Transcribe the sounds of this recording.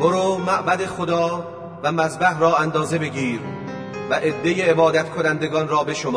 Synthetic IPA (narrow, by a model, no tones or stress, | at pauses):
b̥oɾoːmæʔbæd̪e̞xod̪ɒː | væmæzbæhɾɒːænd̪ɒːze̞be̞ɡiːɾ | væʔed̪ːejeːbɒːd̪æt̪kʰo̞nænd̪e̞ɡɒːnɾɒːbe̞ʃomɒː